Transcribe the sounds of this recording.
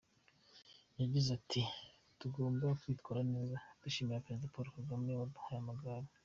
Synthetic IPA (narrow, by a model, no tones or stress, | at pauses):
jaɟizatʰi | tuɡoːmbakwiːtkaːɾane̞ːzad̥uʃiːmijapeezidapoɾokoɡamneβaduhajamaɡaɾi